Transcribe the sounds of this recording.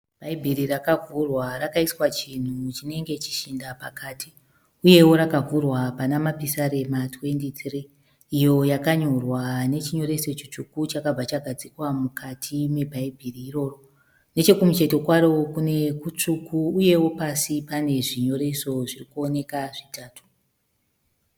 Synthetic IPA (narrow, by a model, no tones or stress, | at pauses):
b̥ʱaibʱirirakavʱurwarakaiswat͡ʃin̤ut͡ʃine̞ŋɡe̞t͡ʃi̥ʃindapakati | uje̞wo̞ɾakavʱurwapanamapisaɾe̞matwe̞ntit̪riː | jo̞jakaɲorwane̞t͡ʃiɲo̞ɾe̞so̞t͡ʃit͡ʂukut͡ʃakab͡vat͡ʃaɡʱad͡zikwamukʰatʰime̞bʱaibʱiriːro̞ro | ne̞t͡ʃe̞kumut͡ʃe̞to̞kwaɾo̞kune̞kut͡ʂukuːje̞wo̞pasipane̞ʐiɲo̞ɾe̞so̞ʐirikuo̞ne̞kaʐitaːtu̥